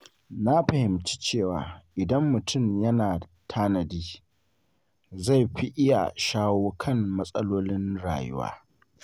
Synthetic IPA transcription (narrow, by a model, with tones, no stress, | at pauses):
na˦ɸɐ˨hɪ˨mt͡ʃi̥˦t͡ʃeː˦˨wa̰ː˨ʔɪ˨dɐ˦mːʊ˨tʊ˦˨mjɐ˦naː˨ | tʰaː˦nɐ˨diː˦ | za˦˨jɸi˦ʔɪ˦ja̰˨ʃaː˦woː˦kʰɐ˦˨ŋmɐ˦sʼɐ˦loː˦lɪ˦nɽa̰ː˨jʊ̰˦wa̰ː˦